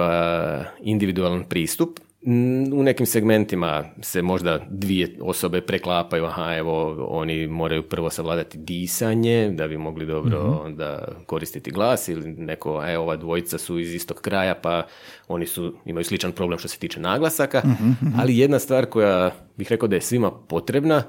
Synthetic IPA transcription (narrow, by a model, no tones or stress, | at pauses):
ind̪iʋid̪ualˠanpɾiːst̪up | une̞kimse̞ɡme̞nt̪imase̞mo̞ʒd̪ad̪ʋieo̞̰so̞be̞pɾeklˠaːpajuahae̞ʋo̞o̰nimo̞ːɾajupr̩ʋo̞saʋlaːd̪at̪id̪iːsaɲe̞d̪abimo̞ɡlid̪o̞bɾo̞ond̪a̰ko̞ɾist̪it̪iɡlˠaːsiline̞ko̞eo̞ʋad̪ʋo̞jit̪sasuizist̪o̞ɡ̥kːɾaːjapa | o̞nisuḭmajuslit͡ʃanpɾo̞blemʃt̪o̞set̪iːt͡ʃenaːɡlˠasakaa̰lije̞d̪nast̪ʋaːɾko̞jabixɾe̞kaod̪ajesʋimapo̞t̪ɾe̞bna